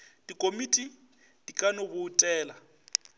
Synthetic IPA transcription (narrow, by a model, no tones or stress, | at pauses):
d̥ikʼomiːtʼi | d̥ikʼanobʊːtʼɛːla